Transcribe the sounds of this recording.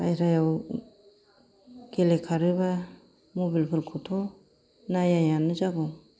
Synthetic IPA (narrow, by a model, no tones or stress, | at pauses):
ajɾajaw | ɡ̥elekʰaɾɯba | mobilpʰɯɾkʰutʰɔ | najajanɯd͡ʒaɡɔ